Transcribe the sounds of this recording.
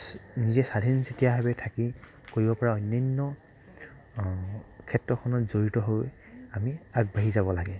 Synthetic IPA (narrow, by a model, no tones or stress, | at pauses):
nizɛsadʱinsetijaɦabɛtʰaki | koɹibɔpɔɹaɔjnːajnːɔ | kʰɛtɹɔkʰɔnɔtzoɹitɔɦoj | amiaɡ̚baɦizabɔlaɡɛ